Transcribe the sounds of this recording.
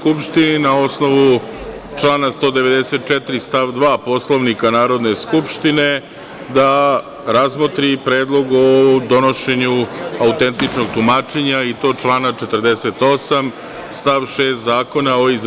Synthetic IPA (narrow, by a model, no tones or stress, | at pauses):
kupʃt̪ininao̞sno̞ʋu | t͡ʂlaːnast̪o̞ːd̪e̞ʋe̞d̪ese̞t̪̚t͡ʃɛt̪ɾist̪aʋd̪ʋaːpo̞slo̞ʋnikanaːɾo̞d̪ne̞skupʃt̪ine̞ | d̪a | ɾazmot̪ɾipɾeːd̪lˠo̞ɡod̪o̞no̞ʃe̞ɲuaut̪ent̪it͡ʂnoɡt̪umaːt͡ʃeɲait̪o̞ːt͡ʃlˠaːnat͡ʃe̞t̪ər̩d̪ese̞t̪o̞sam | st̪aʋʃeːst̪zaːko̞naoiz